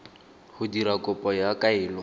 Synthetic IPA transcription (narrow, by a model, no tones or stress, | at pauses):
hʊdiɾakʼɔpʼɔjakʼaɪːlɔ